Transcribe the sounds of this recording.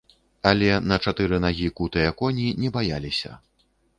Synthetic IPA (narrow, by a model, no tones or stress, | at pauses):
ɐlʲɛnɐt͡ʂat̪ɨɾɨnaɣʲikut̪ɨjɐkɔnʲinʲɛbajalʲisʲɐ̰